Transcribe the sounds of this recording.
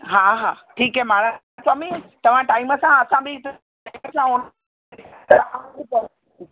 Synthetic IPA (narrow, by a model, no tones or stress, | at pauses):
ɦaɦaːʈʰiːkɦɛːmaːɽa | saːmit̪ɐʋ̤ãʈaːɪməsãɐsãbɪt̪ː | məsãɦon | t̪ɐɾãbipɐɾ